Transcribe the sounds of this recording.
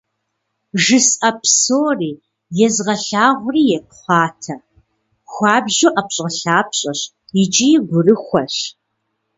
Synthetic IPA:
ʒɨsɐpʰsoːriː | jɛzʁɐɬaːʁʷʊriːjɛp̚χʷɑːtʰɐ | xʷɑːbʑoːʔɐpɕʼɐɬaːpʰɕʼɐɕ | jɪt͡ʃʼijɡʷʊrɨxʷɐɕ

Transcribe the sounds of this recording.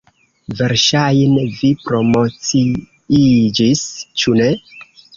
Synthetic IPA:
ve̞ɾʃajnevipɾo̞mo̞t͡si | id͡ʒist͡ʃune̞

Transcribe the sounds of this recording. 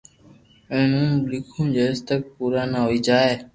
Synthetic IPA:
ẽːnũːlɪkʰũːd͡ʒəɪst̪ək̚puːɾaːnaɦoːiːd͡ʒaːeː

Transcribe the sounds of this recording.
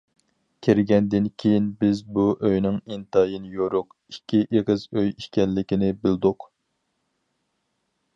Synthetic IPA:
kʲʰeɾɪɡʲɛnd̪ɪnkʲʰejinbɪzbuʔøjnɪŋint̪ʰɑjinɨjoɾʊq | ikʲʰːiʔeʁəzøjiʃkʲɛlːɪkʲinɪbɪld̪ʊq

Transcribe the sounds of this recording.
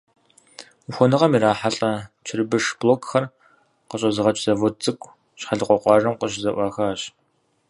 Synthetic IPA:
xʷɔnɨʁɐmiɾaːħaɬʼɐt͡ʃʰɪrbɨʂbloːkʰxɐr | qəɕʼɐzɨʁɐt͡ʃʼz̥ɐvɔt͡sʼɨkʷʼ | ɕħaɮɨqʷɔqʷɑːʐɐmqəɕ̬zɐʔʷɑːxaːɕʼ

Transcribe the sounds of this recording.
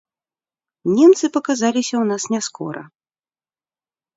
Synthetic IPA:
nʲɛmt̪sɨpɐkazalʲisʲɐwnasnʲɛskɔ̰ɾɐ̰

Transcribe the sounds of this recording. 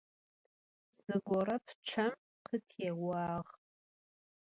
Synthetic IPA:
zɨɡʷɔɾɐpʰt͡ʃʷʰɐm | qʰətʰjeʁʷaːʁ

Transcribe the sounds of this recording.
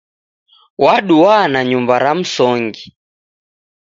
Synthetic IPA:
waɗuwanaɲumbaɾam̩sɔŋɡi

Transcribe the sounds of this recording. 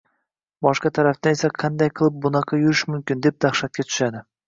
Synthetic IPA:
bɒʃqɑt̪ʰaɾaft̪ane̞saqʰɑnd̪ajqʰɨlˠɪp̚bʊnɑqʰɑjʊɾɪʃmʊmkʲɪnd̪e̞p̚d̪aχʃat̪̚kʲat̪ʰʊ̥ʃad̪ɪ

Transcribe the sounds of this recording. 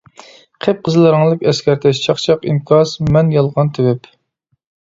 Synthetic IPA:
qʰep̚qʰəzɨlˠɨɾɨŋlˠəkʲɛskʲɛɾt̪ʰɛʃt͡ʃʰɑχt͡ʃʰɑqinkʰɑsmɛnjɑlˠʁɑnt̪ʰɪwɛp

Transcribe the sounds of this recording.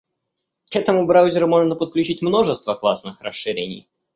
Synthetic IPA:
kɛt̪əmʊbɾawzʲɪɾʊmo̞ʐnəpət̪̚klʲʉt͡ɕitʲmno̞ʐɨst̪vəklˠasnɨxrəʂːɨɾʲḛnʲɪ̰j

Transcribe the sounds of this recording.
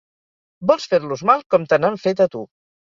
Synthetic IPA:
bɔlˠsfeɾluzmalˠkɔmt̪ənaɱfet̪ət̪u

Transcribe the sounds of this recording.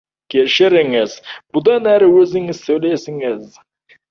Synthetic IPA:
kʲʰeʃɪɾɪŋɪzbʊd̪ɑnæɾɪwɵzɪŋɪz̥sɵjlesɪŋɪz

